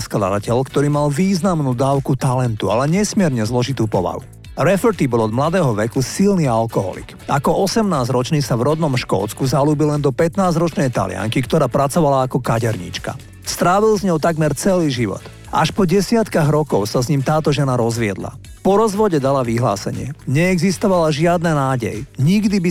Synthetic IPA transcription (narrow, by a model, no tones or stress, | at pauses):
skla̰d̪acɛʎkt̪ɔɾiːmalʋiːznamnuːd̪aːʊkut̪alɛnt̪ua̰lɛɲɛsmɪɛɾɲɛzlɔʒit̪uːpɔʋa̰ɦṵ | ɾɛfɔɾt̪ibɔlɔd̪mlad̪ɛːɦɔʋɛkusilnialkɔɦɔ̰lḭkakɔʔɔsɛmnaːzɾɔt͡ʃniːsavɾɔd̪nɔmʃkɔ̰ːt̪t͡skuzaluːbilɛnd̪ɔpɛt̪naːzɾɔt͡ʃnɛjt̪a̰lɪa̰ŋkikt̪ɔɾaːpɾat͡sɔʋalaːkɔkaɟɛɾɲḭt͡ʃka̰ | st̪ɾaːʋilzɲɔʊt̪aɡmɛɾt͡sɛliːʒiʋɔ̰t̪ | ʔa̰ʃpɔɟɛsɪat̪kaɣɾɔkɔʊsazɲimt̪aːt̪ɔʒɛnaɾɔzʋɪɛ̰d̪la̰ | pɔɾɔzʋɔɟɛd̪alaʋiɦla̰ːsɛ̰ɲɪɛ̰ɲɛːɡzist̪ɔʋalaʒɪad̪nɛnaːɟɛ̰jɲiɡd̪ibi